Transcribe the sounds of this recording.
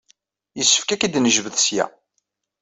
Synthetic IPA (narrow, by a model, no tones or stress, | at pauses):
jəsːə̥fkækid̪nəʒvəðsjæ̰